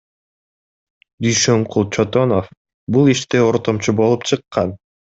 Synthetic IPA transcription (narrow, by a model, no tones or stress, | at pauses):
d̪yjʃøɴqʰulˠt͡ʃʰot̪o̞nof | bulˠiʃt̪eoɾt̪o̞mt͡ʃubo̞lˠupt͡ʃʰɯqːɑn